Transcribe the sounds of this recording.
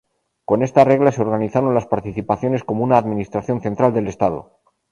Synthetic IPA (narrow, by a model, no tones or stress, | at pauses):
ko̞nest̪are̞ɣlaseo̞ɾɣaniθaɾo̞nlaspaɾt̪iθipaθjo̞ne̞sko̞mounaːðminist̪ɾaθjo̞nθe̞nt̪ɾald̪e̞le̞st̪að̞o̰